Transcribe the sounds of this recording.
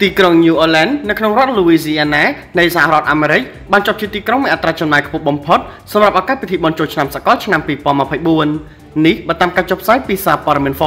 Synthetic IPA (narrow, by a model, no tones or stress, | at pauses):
t̪iːkroŋɲuːʔəːlanːɨwkʰnoŋrŏət̪̚luːiːsiːʔanaːnɨjsahaɾŏət̪̚ʔaːmeːɾɨc̚ | ɓaːnt͡ɕŏəp̚t͡ɕiət̪iːkroŋmiəʔat̪raːt͡ɕɑmnaːjkʰpuhɓɑmpʰot̪̚ | sɑmrap̚ʔakat̪̚pʰit̪ʰiːɓɑnt͡ɕoːlt͡ɕʰnamsa̰ʔkɑlt͡ɕʰnampiːpŏənməpʰəjɓuənː | ihɓaːt̪aːmkaːt͡ɕoːpʰsaːjpiːsaːpoəɗɑmiənfoː